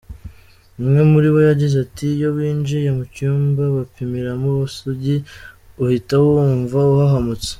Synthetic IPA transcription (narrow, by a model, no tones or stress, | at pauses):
umŋe̞muɾiβo̞jaɟizatijo̞βiːnd͡ʒijamucuːmbaβapimiɾamuβasuɟi | uhitahouɱvauhaɦamut͡se̥